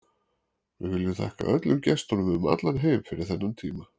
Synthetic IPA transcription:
vɪɣvɪlːʏθʰa̰ːhka̰ʔœ̰t̪lʏmcɛst̪ɔnʏmðʏma̰t̪laɾɦeːjmfɪɾɪɾ̥θɛnːant̪ʰiːma

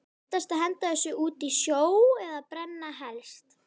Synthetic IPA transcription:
t̪ast̪aðɦɛnt̪aðɛsʏuːt̪isjoːwɛðapɾɛnːaɦɛlst̪

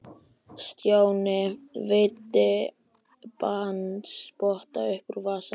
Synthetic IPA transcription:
st̪jaːwnɪvɪt̪ːɪ | pant̪spɔht̪aʏhpʏɾvaːsa

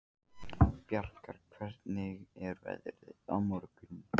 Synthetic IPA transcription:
pjar̥kaɾ̥kʰv̥ɛr̥t̪nɪɣɛɾvɛ̰ðɾðɪa̰wmɔɾkʏn

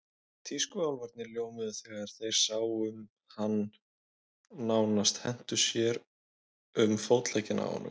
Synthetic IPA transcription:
t̪ʰiːskʏawlvaɾt̪nɪɾljoːwmɪðʏθɛɣaaɾ̥θejɾ̥saːwʏm | han | aːwnast̪hɛn̥t̪ʏsjɛɾ | ʏmfowt̪laːjcɪna̰ɔ̰nːʏ̰m

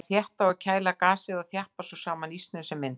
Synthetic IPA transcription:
θjɛht̪aɔcʰaːjlakaːsɪðaθjahpasɔsaːmanist̪nʏsɛmːɪn

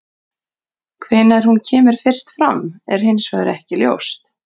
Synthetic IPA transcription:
kʰvɪːnaɾ̥huncʰɛːmɪɾ̥fɪr̥st̪fɾamɛ̰ɾ̥hɪnsva̰ðɾɛhcɪljo̰wst̪

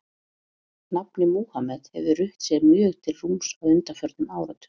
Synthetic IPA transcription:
napnɪmuːhamɛthɛvðʏrʏht̪sjɛmjœːɣt̪ʰɪlrumsaðʏnt̪afœɾt̪nʏmaːwɾat̪ʏ̥

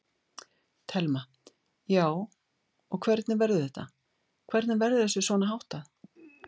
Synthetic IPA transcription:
t̪ʰɛlma | jaːw | ɔɣkʰvɛɾt̪nɪvɛɾðʏθɛht̪a | kʰvɛɾt̪nɪvɛɾðɪθɛsːʏsvɔːnaɦawht̪aθ

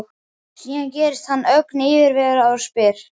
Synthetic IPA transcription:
siːancɛːɾɪst̪hanːœknɪːvɪɾvɛːɣaɾḁspɪːɾ̥

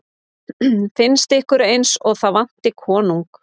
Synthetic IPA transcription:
fɪnst̪ɪhkʏɾejnsɔɣθaðvan̥t̪ɪkʰɔːnuŋk

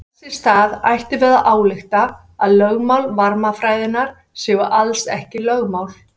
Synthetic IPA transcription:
sɪst̪aːða̰jht̪ɪvɛːɾðaʔaːwlɪxt̪a | aðlœɣmawlvaɾmafɾaːjðɪnaɾ̥ | sɪːɣʏʔalsɛ̰hcɪlœɣmaːwl

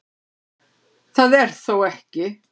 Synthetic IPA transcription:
θaðɛɾ̥θowɛhcɪ

